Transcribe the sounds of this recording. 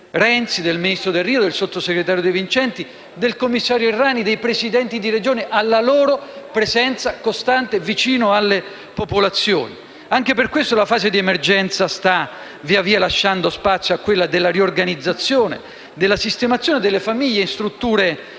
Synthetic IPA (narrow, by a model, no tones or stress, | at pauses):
ɾɛnt̪sid̪elminist̪ɾod̪elːiːod̪elsot̪ːoseɡɾet̪aːɾjod̪ejvint͡ʃɛnt̪i | d̪elkomːisːaːɾjoirːaːnid̪ejpɾesid̪ɛnt̪id̪iɾed͡ʒoːneʔalːaloːɾopɾezɛnt̪sakost̪ant̪evit͡ʃiːnoalːe | popolat̪sːjo̰ːni | aŋk̟eperkwest̪olafaːzed̪iemerd͡ʒɛnt̪sast̪a | viːaviːalaʃːand̪ospat̪sːjoakːwelːad̪elːariorɡanid̪zːat̪sːjoːnḛ | d̪elːasist̪emat̪sːjoːned̪elːefamiʎːeinst̪ɾut̪ːuːɾe